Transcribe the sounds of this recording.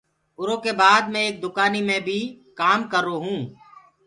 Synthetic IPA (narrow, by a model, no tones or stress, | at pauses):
ʊɾoːkeːbaːd̪mẽeːk̚d̪ʊkaːniːmẽːbʱiː | kaːmkəɾoːɦũː